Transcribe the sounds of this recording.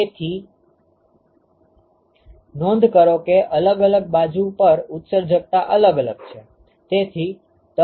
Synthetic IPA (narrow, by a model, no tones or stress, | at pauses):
et̪ʰi | nɔ̃nd̪ʱkəɾokeʔələɡələɡ̚bad͡ʒupəɾʊt̪səɾd͡ʒək̚t̪aʔələɡələɡ̚t͡ʃʰe | t̪et̪ʰi | t̪ə